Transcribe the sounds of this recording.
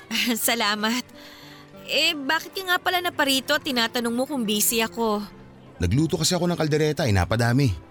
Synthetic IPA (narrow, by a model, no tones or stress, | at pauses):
ʔɐsɐlaːmɐt̪̚ | ʔɛbaːkɪt̪kɐŋapɐlanɐpɐɾiːt̪o̞t̪ɪnaːt̪ɐnoŋmokʊŋbiːsɪɐko̞ | nɐɡluːt̪okɐsɛɐko̞nɐŋkɐld̪ɛɾɛːt̪ɐʔɪna̰ːpɐd̪aːmɪ